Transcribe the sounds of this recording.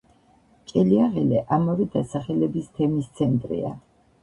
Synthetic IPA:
kʼɛliaʁɛlɛʔamɔɾid̪asaχɛlɛbist̪ʰɛmist̪sʰɛnt̪ʼɾḭa̰

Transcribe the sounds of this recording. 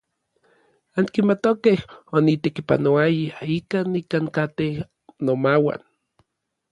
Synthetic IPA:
aŋkimat̪okehonit̪ekipa̰noajaikaːnikaŋkat̪eh | nomawa̰n

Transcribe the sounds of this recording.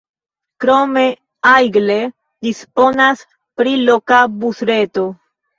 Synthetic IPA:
kɾo̞me̞ | ajɡle̞ | dispo̞nas | pɾilo̞kabusɾe̞to̞

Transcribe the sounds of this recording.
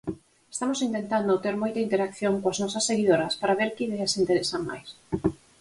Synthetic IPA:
est̪amosint̪ent̪and̪ot̪eɾmojt̪ɐint̪eɾakθjoŋkoaznɔsɐsːeɣiðoɾɐspaɾaβeɾkɪiðeasint̪eɾesamma̰js

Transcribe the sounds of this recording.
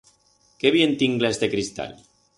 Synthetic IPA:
keβjent̪iŋɡlezd̪ekɾist̪a̰l

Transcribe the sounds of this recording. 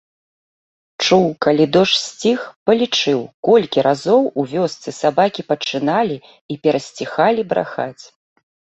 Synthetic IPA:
t͡ʂuwkalʲid̪ɔʂsʲt͡sʲixpɐlʲit͡ʂɨwkɔlʲkʲiɾazɔwuvʲɔst̪sɨsabakʲipɐt͡ʂɨnalʲi | ipʲɛɾɐsʲt͡sʲixalʲibɾa̰xa̰t͡sʲ

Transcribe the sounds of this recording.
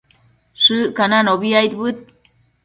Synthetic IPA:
sɨʔkananoβiajt̪̚bɨt̪̚

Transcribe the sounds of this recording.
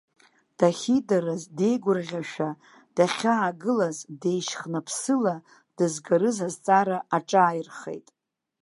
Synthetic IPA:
d̥aχʲidaɾazde̞jɡʷʊrʁʲaʃᶣa | d̥aχʲaːɡɨlazde̞jʃχnapʰsɨla | d̥ɨzɡaɾɨzazt͡sʼaɾaaʈ͡ʂʼaːjrχḛjtʼ

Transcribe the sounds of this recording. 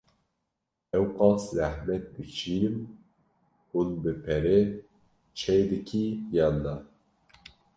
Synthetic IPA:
ɛwqɑːszæhmɛt̪̚b̪ɨt͡ʃʰiːnɨm | hulbɨpʰɛɾɛ | t͡ʃʰɛjd̪ɨkʰijɑnːɑ

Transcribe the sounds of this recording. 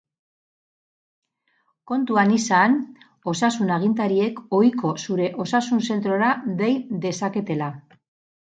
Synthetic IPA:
ko̞nt̪uanisan | o̞sasunaɣ̞int̪aɾie̞ko̞jko̞suɾe̞ʔo̞sasunse̞nt̪ɾo̞ɾaðe̞jd̪e̞sake̞t̪e̞la

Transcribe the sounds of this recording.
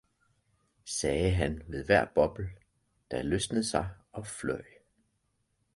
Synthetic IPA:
sɛːəɦænʋe̝ðˠʋæɐ̰b̥ɒ̽b̥l̩ | d̥æløsnəð̩ˠsɑ̈ɪɒ̽flœɪ̰

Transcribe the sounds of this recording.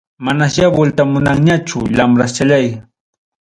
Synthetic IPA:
manaʃjabʊlt̪amʊnaŋɲat͡ʃʊ̰lamɾast͡ʃaʎaj

